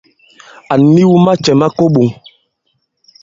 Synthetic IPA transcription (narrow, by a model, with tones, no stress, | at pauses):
a˨ni˦wu˦ma˦t͡ʃɛ˨ma˦ko˦ɓo˨ŋ